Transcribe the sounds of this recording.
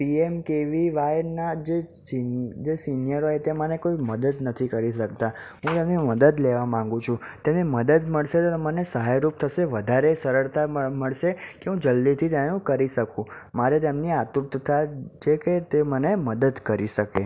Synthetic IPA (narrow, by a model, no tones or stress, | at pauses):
piemkeʋiʋajnad͡ʒesid͡ʒesinijəɾoɦet̪emənekoiməd̪əd̪nət̪ʰikəɾiʃək̚t̪aɦũt̪emniməd̪əd̪leʋamãŋ̆ɡũt͡ʃʰũt̪emniməd̪əd̪məɭʃet̪omənesəɦajɾup̚t̪ʰəʃeʋəd̪ʱaɾesəɾəɭt̪aməɭʃekeɦũd͡ʒəlːit̪ʰit̪enũkəɾiʃəkũmaɾet̪emniat̪uɾt̪t̪ʰat͡ʃʰeket̪eməneməd̪əd̪kəɾiʃəke